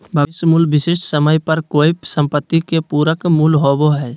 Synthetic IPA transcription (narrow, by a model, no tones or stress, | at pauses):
bʱəʋɪsmuːlʋɪsɪʃʈsəməjpəɾkoːisə̃mpət̪ːikepuːɾəkmuːlɦoːboɦɛː